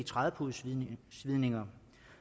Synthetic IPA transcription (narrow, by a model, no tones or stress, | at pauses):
it͡sʰʁaðˠəpʰuðˠssʋiðˠne̝ŋɐ